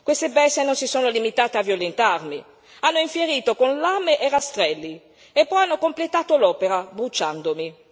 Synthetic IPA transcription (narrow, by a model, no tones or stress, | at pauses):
kwest̪ebɛsːenonsisoːnolimit̪aːt̪eavjolent̪armi | anːoiɱfjeɾiːt̪okonlameʔerast̪ɾɛlːi | epːɔjanːokomplet̪aːt̪olɔːpeɾabɾut͡ʃːand̪omi